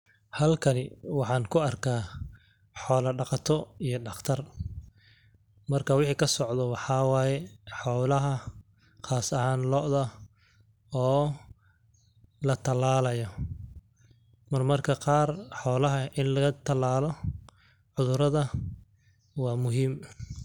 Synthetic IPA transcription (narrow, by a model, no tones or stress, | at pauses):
hɐlkʰɐnɪwɑħɑːnkʰʊɐrkʰaː | ħɔːlɐɖɑqɑt̪ʰɔijɞɖɑχt̪ʰɐr | mɐrkʰɐwɪħiːkʰɐsɔʕðɔwɑħɑːwɑːjɛħɔːlɐɦɐ | qaːsɐhaːnlɔːʔðɐ | ɔː | lɐt̪ʰɐlaːlɐjɔ | mɐrmɐrkʰɐqɑːrħɔːlɐɦɐʔɪnlɐɣɐt̪ʰɐlaːlɔ | ʕʊðʊɾɐðɐ | wɑːmʊɦiːm